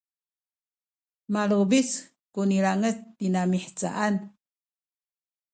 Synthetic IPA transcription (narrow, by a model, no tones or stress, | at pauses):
malubis | kuniɾaŋətːinamiħt͡sa̰ʔan